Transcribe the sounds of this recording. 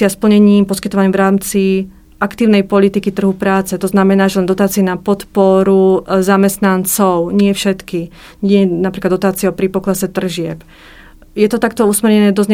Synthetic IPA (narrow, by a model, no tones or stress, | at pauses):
ɪaspl̩ɲɛɲiːmpɔskit̪ɔʋaɲɛmʋɾaːmt͡si | akt̪iːʊnɛjpɔlit̪ikit̪r̩ɦupɾaːt͡sɛt̪ɔznamɛnaːʒɛlɛnd̪ɔt̪aːt͡siɛnapɔt̪pɔɾuzamɛst̪nant͡sɔʊɲɪɛfʃɛt̪ki | ɲɛnapɾiklad̪ɔt̪aːt͡siɛɔpɾipɔklasɛt̪r̩ʒɪɛp | jɛt̪ɔt̪akt̪ɔusmɛɾɲɛnɛːd̪ɔzɲɛ